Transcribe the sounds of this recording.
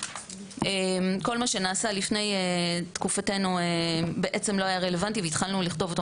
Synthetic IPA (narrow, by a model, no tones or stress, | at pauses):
emko̞lmaʃe̞naːsalifne̞jetkufate̞nuebe̞ʔe̞t͡se̞mlo̞ajaʁe̞le̞vantiveit̪χalnuliχto̞vot̪o